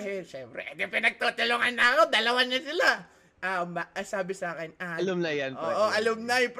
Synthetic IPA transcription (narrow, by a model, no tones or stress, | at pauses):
hɪlʃɛmpɾɛ̰ʔɛd̪ɛpɪnɐɡ̚t̪ot̪ʊloŋanːɐɐko̞d̪ɐlɐwaɲːɐsɪla | ʔamaʔɐsaːbɪsaːkɛnaɐlamnɐjanpoɛʔoʔɐlɐmnɐjp